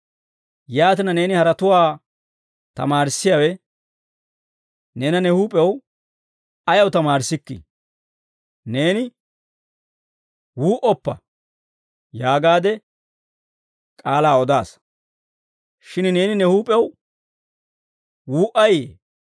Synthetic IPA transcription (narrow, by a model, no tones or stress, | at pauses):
jaːt̪ɪnɐne̞ːnɪhɐɾɐt̪ʊwaː | t̪ɐ̰maːɾsːɪjawɛ | neːnɐnɛhuːpʼːɛw | ɐjɐwt̪ɐmaːɾsɪkːɪ̰ | neːnɪ | wuːʔɔpːɐ̰ | jaːɡaːd̪ɛ | kʼaːlaːɔd̪aːs | ʃɪnne̞ːnɪnɛhuːpʼːɛw | wuːʔɐjḛː